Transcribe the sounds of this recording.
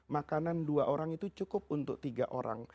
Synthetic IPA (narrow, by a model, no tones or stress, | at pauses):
makananduaʔoɾaŋit̪ut͡ʃukʊp̚unt̪ʊk̚t̪iɡaʔoɾa̰ŋ